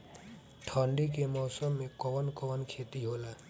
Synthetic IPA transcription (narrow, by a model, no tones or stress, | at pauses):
ʈʰɔːɳɖik̬emɔːsəmːẽkɔʋənkɔʋənkʰeːt̪iɦoːlaː